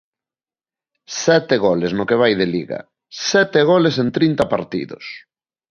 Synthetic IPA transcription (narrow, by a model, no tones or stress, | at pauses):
sɛt̪eɣolesnokeβ̞ajðelḭɣa̰ | sɛt̪eɣolesent̪ɾint̪ɐpaɾt̪ḭðʊ̰s